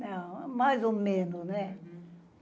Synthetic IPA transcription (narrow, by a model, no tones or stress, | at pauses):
nɐ̃w̃majzomẽnʊsnɛ